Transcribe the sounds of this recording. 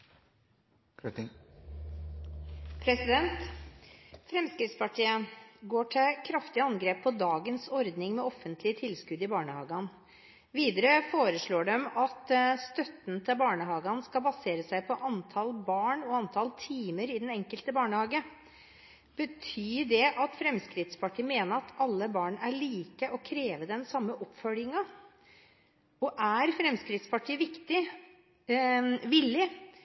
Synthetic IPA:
pʰɾɛsɪd̪ɛnt̪ | fɾɛmskɾɪft̪spʰɑʈʰiːəɡoːʈʰɪkʰɾɑft̪ɪəɑnɡɾeːpʰːɔd̪ɑːɡənsɔɾd̪nɪŋmɛɔfːənt̪ʰlɪət̪ʰɪlskʉd̪ɪbɑːɳəhɑ̰ːɡɑn | ʋiːd̪əɾəfoːɾəʂɭoːɖɛmɑt̪st̪œt̪n̩t̪ʰɪlbɑːɳəhɑːɡɑnskɑbɑseːɾəsæɪpʰɔʔɑnt̪ʰɑlbɑːɳɔɑnt̪ʰɑlt̪ʰiːməɾɪd̪ɛnɛŋkəlt̪əbɑːɳəhɑːɡə | b̥ət̪ʰyːɖɛʔɑt̪fɾɛmskɾɪt̪spʰɑʈʰiːmeːnəɾɑt̪ʰɑlːəbɑːɳæɭiːkəʔɔkʰɾeːʋəd̪ɛnsɑmːəʔɔpfœljɪŋɑ | ɔʔæɾfɾɛmskɾɪt̪spɑʈʰiːʋɪkt̪ɪ | ʋɪlːɪ

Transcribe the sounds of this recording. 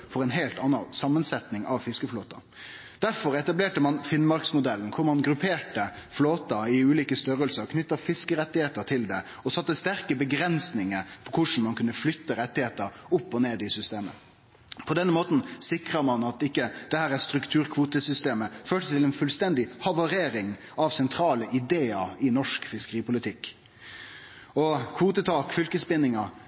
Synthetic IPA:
fɔɾɛɪnɦeːlt̪ɑnːɑsɑmːənsɛt̪nɪŋɑʋfɪskəfloːt̪ɑ̰ | d̪̥æɾfɔɾɛt̪ɑbleːʈəmɑnfɪnmɑɾksmʊd̪ɛlːən̩kʰʊɾmɑnɡɾʉpʰeːʈəfloːt̪ɑɪʉːliːkəst̪œɾəlsəɾkʰnʏt̪ːɑfɪskəɾɛt̪ːɪheːt̪əɾt̪ʰɪld̪ɛ | ɔsɑt̪ːəst̪æɾkəbəɡɾɛnsnɪŋəɾpʰɔkʰʊʂn̩mɑnkʰʉnːəflʏt̪ːəɾɛt̪ːɪheːt̪əɾʊpːɔneːd̪ɪsʏst̪eːmə̰ | pʰɔd̪ɛnːəmoːt̪n̩sɪkʁəmɑnɑt̪ɪkːəd̪̥ɛhæːɾæst̪ɾʉkt̪ʰʉːɾkʰʋuːt̪əsʏst̪eːməføːʈəst̪ʰɪlɛnfʉlst̪ɛnd̪ɪhɑʋɑɾeːɾɪŋ | ɑʋsɛnt̪ʰɾɑːləʔɪd̪eːəɪnɔʂkfɪskəɾiːpʊlɪt̪ʰɪkː | ɔkʰʋuːt̪ət̪ʰɑːkfʏlkəspɪnːɪŋɑ

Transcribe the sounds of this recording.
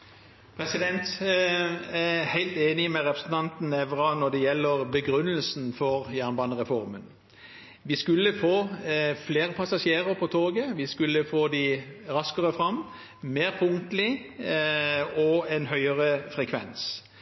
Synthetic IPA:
pʰʁɛsɪd̪ɛnt̪ | æhæɪlt̪eːnɪmɛʁɛpɾəsn̩t̪ʰɑnt̪n̩ɛʋɾɑnɔd̪ɛjɛlːəʁbəɡɾʉnːəlsn̩fɔʁjæːʁnbɑːnəʁɛfɔʁmən | ʋɪskʉlːəfoːfleːʁəpʰɑsɑʂjeːʁəʁpʰɔt̪ʰoːɡəʋɪskʉlːəfoːd̪ɪɾɑskəʁəfʁɑm | meːʁpʰʊŋt̪lɪ | ɔɛnɦœʏəʁəfʁɛkʰʋɛ̰ns

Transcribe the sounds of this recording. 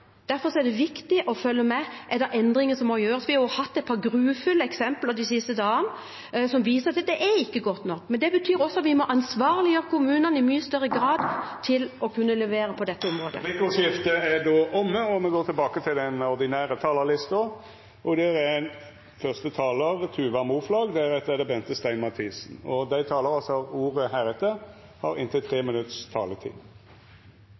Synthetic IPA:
d̪̥æɾfɔɾsɔɛd̪ɛʋɪkt̪ɪʔɔfœlːəmɛʔɛd̪ɛɾʔɛnd̪ɾɪŋənsɔmːɔjøːɾəsʋɪhɑɾjʊhɑt̪ːɛt̪̚pʰɑːɾɡɾʉːfʉlːəɛksɛmpləd̪ɪsɪst̪əd̪ɑːən | sɔmʋiːsəʁɑt̪d̪ɛʔæɪkːəɡɔt̪ːnɔkːmɛnd̪ɛbət̪ʰyːɾɔsːɔɑt̪ʋɪmɔʔɑnsʋɑːʁlɪjøːɾəkʰʊmʉːnɑnɪmyːəst̪œɾəɡɾɑːd̪t̪ʰɪlɔkʰʉnːəlɛʋeːɾəpʰɔd̪ɛt̪ːəɔmɾoːd̪ə̰ɪkʊsɪft̪əæɖ̪oːʔɔmːəɔmɛɡoːɾt̪ʰɪlbɑːkət̪ʰɪlɛnɔʁd̪ɪnæːʁət̪ʰɑːləlɪst̪ɔ | ɔd̪ɛʁæɛn | fœʁst̪ət̪ʰɑːləʁt̪ʰʉːʋɑmuːflɑːɡd̪ɛʁɛt̪ːɛd̪ɛbɛnt̪əst̪æɪnmɑt̪ʰiːsn̩ɔd̪æɪt̪ʰɑːləɾɑlsɔuːʁəhæːɾɛt̪ə | hɑ̰ɾɪ̰nt̪ət̪ʰʁeːmɪnʉt̪st̪ʰɑːlət̪ʰḭːd̪

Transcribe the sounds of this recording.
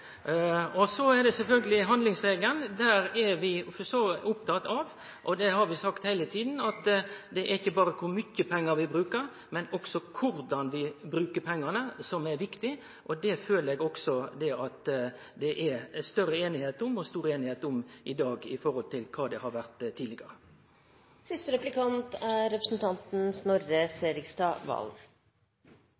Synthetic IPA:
ɔsɔɛɾd̪ɛsɛlfœlɡəlɪɦɑnd̪lɪŋsɾeːɡlənd̪æːɾɛʋɪfɔsoʊpt̪ʰɑt̪ɑʋ | ʔɔd̪ɛɦɑɾʋɪsɑkt̪hæɪlət̪ʰiːd̪n̩ɑt̪d̪ɛʔæɾɪçːəbɑːɾəkʰʊɾmʏçːəpʰɛŋːəɾʋɪbɾʉːkəɾ | mɛnɔksɔkʰʊɾd̪ɑnʋɪbɾʉːkəpʰɛŋːɑnəsɔmɛɾʋɪkt̪ɪ | ʔɔd̪ɛføːləɾɛːɡɔksɔd̪ɛʔɑt̪ | d̪ɛʔæst̪œɾəeːnɪheːt̪ʊmɔst̪uːɾəeːnɪheːt̪ʊmɪd̪ɑːɡɪfɔʁhɔlt̪ʰɪlkʰɑːd̪ɛhɑɾʋæʁt̪t̪ʰːiːlɪɡəɾə | sɪst̪əɾɛplɪkʰɑnt̪æɾɛpɾəsn̩t̪ʰɑnt̪n̩snɔɾəseːɾɪkst̪ɑʋɑ̰l

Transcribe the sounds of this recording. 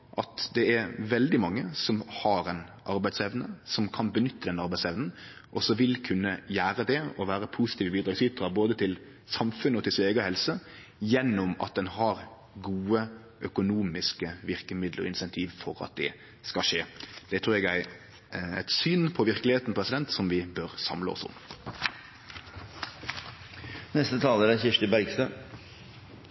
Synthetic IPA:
ʔɑt̪d̪ɛɛɾʋɛld̪ɪmɑŋːəsɔmhɑɾɛnʔɑɾbæɪsɛʋnəsɔmkʰɑnbənʏt̪ʰːəd̪ɛnəɑɾbæɪsɛʋnn̩ | ʔɔsɔʋɪlkʰʉnːəjæːɾəd̪ɛɔʋæːɾəpʰusɪ̥t̪ʰiːʋəbiːd̪ɾɑːɡsiːɾɑboːd̪ət̪ʰɪl | sɑmfʉnəɔt̪ʰɪlsɪeːɡəɔhɛlsə | jɛnːʊmɑ̰t̪̚d̪ɛnɦɑɾ | ɡuːə | ʔœkʊnuːmɪskəʋɪʁkəmɪd̪ləɾɔ̰ɪnsɛnt̪ʰiːʋfɔɾɑ̰t̪̚d̪ɛ̰ | skɑʂeːd̪ɛt̪ʰɾʉːɾɛɡjæɪ | æɪt̪syːnpʰɔʋɪɾkəlɪheːt̪n̩pʰɾɛsɪd̪ɛnt̪sɔmʋɪbøɾsɑ̰mləɔ̰sʊ̰m | nɛst̪ət̪ʰɑːləæd̪ɛnçɪʂt̪əbæɾɡst̪ə

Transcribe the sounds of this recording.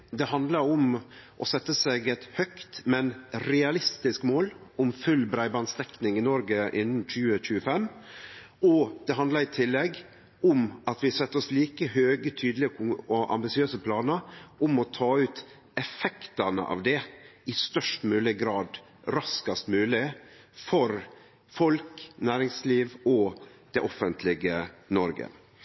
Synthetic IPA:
d̪ɛhɑnd̪lɑɾʊmʔɔsɛt̪ːəsɛɡɛt̪hœkt̪mɛnɾɛɑlɪst̪ɪskmoːlʊmfʉlbɾæɪbɑnst̪ɛknɪŋɪnɔɾɡəʔɪnːn̩c͡çʉːəc͡çʉːəfɛm | ɔd̪̥ɛɦɑnd̪lɑɾɪt̪ʰɪlːɛɡ | ʊmɑt̪ʋɪsɛt̪ːɔsliːkəhøːɡət̪ʰyːd̪lɪɔʔɑ̰mbɪsɪøːsəpʰlɑːnəɾʔʊmɔt̪ʰɑːʉːt̪ | ɛfɛkt̪ənə̰ʔɑ̰ʋd̪ɛɪst̪œʂʈmʉːlɪɡɾɑːd̪ | ɾɑskɑst̪mʉːlɪ | fɔɾ | fɔlknæːɾɪŋsliːʋɔ | d̪̥ɛʔɔfənt̪ʰlɪɡənɔɾɡə̰

